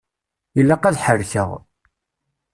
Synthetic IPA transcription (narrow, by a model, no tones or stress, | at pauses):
jəlːaqæðħəɾθə̰ʁ